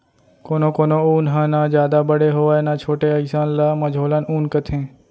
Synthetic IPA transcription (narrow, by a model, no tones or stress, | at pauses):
koːnõːkoːnoːuːnɦãːnaːd͡ʒjaːd̪aːbəɽeːɦoːaːenãːt͡ʃʰoːʈeəjsaːnlaːməd͡ʒʱɦoːlanuːnkət̪ʰẽː